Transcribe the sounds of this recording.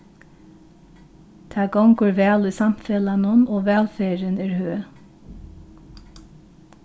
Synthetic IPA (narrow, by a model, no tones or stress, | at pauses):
t̪ʰɑːɡɔŋɡoːɹʋæːliːsɑmfɛːlɑnʊnoːʋæːlfeːɹənæːɹhøː